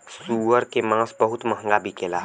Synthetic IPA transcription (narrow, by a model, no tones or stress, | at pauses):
suːəɾkemãːsbəɦʊt̪mɐɦəŋɡabʱikeːla̰